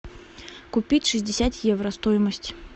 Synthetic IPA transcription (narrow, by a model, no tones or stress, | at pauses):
kupʲit͡sʲʂɨzʲdʲɪsʲat̪jɛwɾɐst̪ɔjmɐsʲt͡sʲ